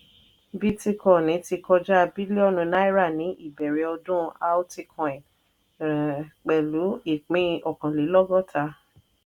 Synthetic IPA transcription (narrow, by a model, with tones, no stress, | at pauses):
bi˦ti˧kɔ̃˦˨nĩ˨˦ti˧kɔ˧d͡ʒa˦˧bi˦le˦ɔ˦˨nũ˧na˦i˦ɾa˦˨nĩ˨˦ʔi˦˨bɛ˨ɾe˨˦ɔ˧dũ˦a˧o˦ti˧kʰɔ̃˨ɛ̃˨ | k͡pɛ˨lu˨˦i˦˨k͡pĩ˨˧ɔ˨kã˨le˨˦lɔ˦ɡɔ˦˨tʰa˧